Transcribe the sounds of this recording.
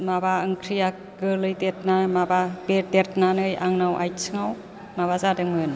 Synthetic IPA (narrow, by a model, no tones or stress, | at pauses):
mabaɯŋkʰɾija | ɡɯlɯjtet̚namababeɾdeɾt̚nanɯjaŋnawʔa̰jsʰɯŋaw | mabazadɯŋmɯn